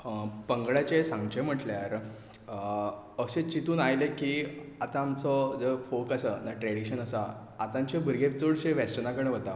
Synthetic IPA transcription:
pəŋɡɭjat͡ɕesãŋɡt͡ɕem̤əʈljaɾ | əɕẽt͡ɕit̪uːnajlekiːat̪ãːmt͡sɔd͡zəfokasənaʈɾɛɽiɕənəsaː | t̪ãɲt͡ɕebʱəɾɡep̚t͡soɭɕeʋesʈənakəɽẽʋət̪a

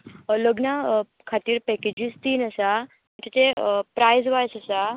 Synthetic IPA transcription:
ləɡna | kʰat̪iːɾpɛked͡ʑist̪iːnəsa | t̪it̪epɾajzʋajsəsa

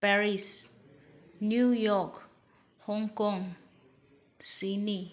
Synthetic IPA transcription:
paɹis | njujɔk | hɔŋkɔŋ | sini

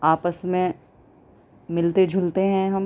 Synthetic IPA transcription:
aːpəsmẽ | mɪlt̪ed͡ʒʱʊlt̪eɦɛ̃ɦɐm

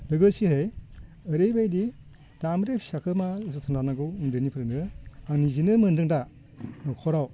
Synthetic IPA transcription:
lɯɡɯsiɦɯj | ɯɾejbajdi | d̥amɾepʰsakʰɯmazɯtʰɯndanaɡɯwɯndɯnipʰɾɯnɯaŋnizinɯmɯndɯŋda | nɔkʰɔɾaw

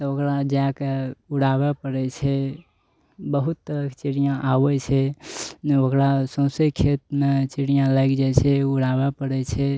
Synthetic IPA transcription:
t̪ɔokɾad͡ʒakeuɽabepəɽɛt͡ʃʰɛ | bəɦut̪ːəɾəkt͡ʃiɽijãʔabɛt͡ʃʰɛd͡ʒeokɾasə̃wsəkʰet̪met͡ʃiɽijãlajkd͡ʒɛt͡ʃʰɛuɽabepəɽɛt͡ʃʰɛ

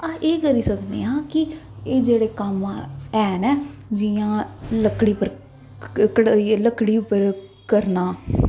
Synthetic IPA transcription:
aːʔeːkəɾiːsəkd̪ḛːãːkɪ | eːd͡ʒeːɽeːkəmɛːnɛːd͡ʒiãːləkːɽiːpəɾ | kɽləkːɽiːpəɾ | kəɾnaː

